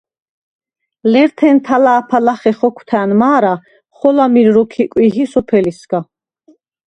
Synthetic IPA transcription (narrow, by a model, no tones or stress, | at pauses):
lɛɾt̪ʰɛnt̪ʰalaːpʰalaχɛχɔkʷʰt̪ʰɛːnmaːɾa | χɔlamiɾɾɔkʰikʼwiɦisɔpʰɛlisɡ̥a